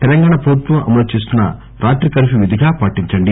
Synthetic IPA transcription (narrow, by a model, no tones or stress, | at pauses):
t̪ɛlɐŋɡaːɳɐpoːɾt̪ʋɐmʔɐ̰mɐlut͡ʃeːs̬t̪unːɐ̰ | ɾaːʈɾikɐɾʃiʋid̪ʱiɡaːpaːʈːiɲt͡ʃɐɳɖi